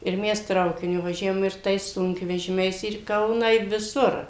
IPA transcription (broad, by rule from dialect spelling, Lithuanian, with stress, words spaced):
ɪr ˈmʲɛs ˈtrɐʊkʲɪnʲʊ ʋɐˈʒʲæːʋoːm ɪr ˈtɐɪs ˈsʊŋkʋʲɛʒʲɪmʲɛɪs ɪr iː ˈkɐʊnɑː ɪ ʋʲɪˈsʊr